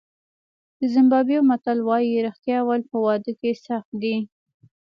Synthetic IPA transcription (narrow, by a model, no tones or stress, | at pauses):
d̪̥əzɪmbɑbiomat̪alwɑjiɾɪxt̪jɑwalpəwɑd̪əkesaxt̪̚d̪i